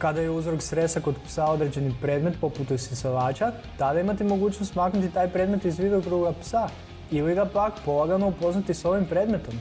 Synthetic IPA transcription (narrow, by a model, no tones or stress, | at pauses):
kad̪ajeuzɾoksɾe̞st̪ako̞d̪psao̞d̪ɾe̞d͡ʑe̞nipɾe̞d̪me̞t̪po̞put̪sisoʋaːt͡ʃa | t̪ad̪aimat̪imo̞ɡuːt͡ʃnost̪maːknut̪it̪aːjpɾe̞ːd̪me̞t̪izʋid̪okɾuɡapsa | iliɡapakpo̞laɡanoupo̞znat̪iso̞ʋimpɾe̞ːd̪me̞t̪o̞m